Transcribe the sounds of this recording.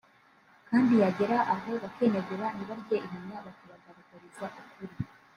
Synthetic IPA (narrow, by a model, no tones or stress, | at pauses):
kaːndijaɟe̞ɾaʔaɦo̞βake̞ːneɡeɾaniβaɾɟeʔiɦamɲaβakaβaɡaɾukoɾizɡaʔukuɾi